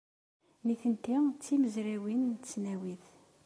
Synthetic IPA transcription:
niθənt̪ːit͡sːiməzɾæwint͡sːnæwiθ

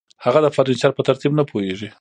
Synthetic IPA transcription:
haɣad̪əfaɾint͡ʃɑɾpət̪aɾt̪ibnapʰoeʐi

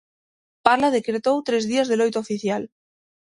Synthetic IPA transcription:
paɾlað̞e̞kɾet̪owt̪ɾe̞zðiazðe̞lojt̪oofiθjal

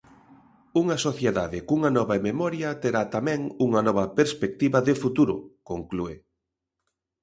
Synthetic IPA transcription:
uŋɐsoθjeðaðɪkuŋɐnɔβɐememɔɾjɐt̪eɾat̪amɛ̃ŋuŋɐnɔβɐpeɾspek̚t̪iβɐðefut̪uɾʊkoŋklue

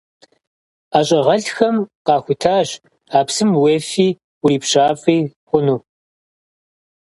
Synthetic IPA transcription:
aːɕʼɐʁɐɬxɐmqɑːxʷʊtʰaːɕ | aːpsɨmweːfiː | ʊɾiːpɕaːfʼiːχʷʊnuː

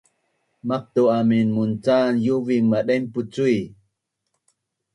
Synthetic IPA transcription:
maq̚t̪uaminmunt͡sanjuviŋmaɗemput͡sui

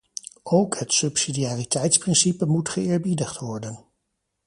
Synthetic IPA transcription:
owkɦətsɵpsidiaːritɛjtsprɪnsipəmutχəɪːɹbidəχtʋɔɹdən

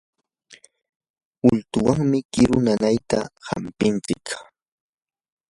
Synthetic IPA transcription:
ʊlt̪ʊwaŋmɪkɪɾʊnanajt̪aha̰mpɪnt͡sɪk

